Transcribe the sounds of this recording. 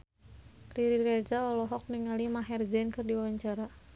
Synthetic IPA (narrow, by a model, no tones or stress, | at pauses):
kɾiɾiɾɛd͡ʒaɔlɔɦɔk̚niŋalimaɦɛrd͡ʒɛnkɨrdiawaɲt͡ʃaɾa